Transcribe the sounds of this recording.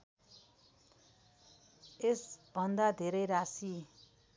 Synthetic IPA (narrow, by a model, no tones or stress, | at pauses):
esb̥ʱʌnd̪ad̪ʱeɾʌjɾasi